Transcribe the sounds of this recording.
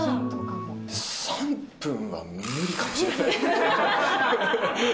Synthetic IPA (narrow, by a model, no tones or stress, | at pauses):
sãm | pɯ̃ɰ̃βa̰minɯɾʲikamoɕiɾena